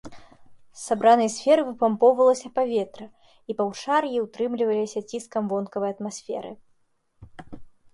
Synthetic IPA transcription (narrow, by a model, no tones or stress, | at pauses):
sabɾanɨjɐsʲfʲɛɾɨvɨpampɔwvɐlˠɐsʲɐpavʲɛt̪ɾɐ | ipɐwt͡ʂarjiwt̪ɾɨmlʲivɐlʲisʲɐt͡sʲiskɐmvɔnkɐvɐjɐt̪masʲfʲɛ̰ɾɨ̰